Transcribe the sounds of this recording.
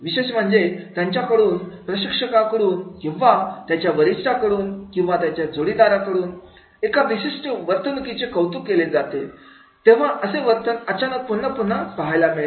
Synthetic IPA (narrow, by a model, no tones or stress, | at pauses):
ʋiɕeɕ̬m̤əɳd͡zet̪jaɲt͡ɕjakəɽuːnpɾəɕikʂəkakəɽuːnkĩw̃ʋat̪jat͡ɕjaʋəɾisʈʰakəɽuːnkĩw̃ʋat̪jat͡ɕjad͡zʱoɽid̪aɾakəɽuːn | ekad̪iɕiɕʈəʋəɾt̪ʰənukit͡ɕekəwt̪ukːeled͡zat̪e | t̪eʋ̤aʔəseʋəɾt̪ənət͡ɕanək̚punːəpun̤ːaspəɦajlamiɭe